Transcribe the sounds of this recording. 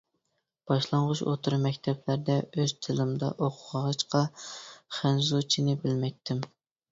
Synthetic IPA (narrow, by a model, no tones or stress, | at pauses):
b̥ɑʃlˠɑɴʁʊʃo̰t̪ʰuɾmɛkʲt̪ʰɛblæɾd̪ɛøz̥t̪ʰɪlɪmd̪ɑ̰ʔoqʰʊʁəʁɑt͡ʃqɑχænzut͡ʃʰinɪbɪlmɛjt̪ʰːɪm